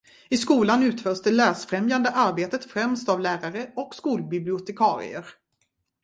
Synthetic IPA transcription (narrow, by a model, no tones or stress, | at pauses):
ɪskuːlanʉ̟ːt̪fœːʂt̪əɭæːsfɾɛmjand̪əʔaɾbeːt̪ət̪fɾɛmst̪avlæːɾaɾəɔkskuːlbɪblɪʊt̪ɛkʰɑːɾɪ̰ə̰ɾ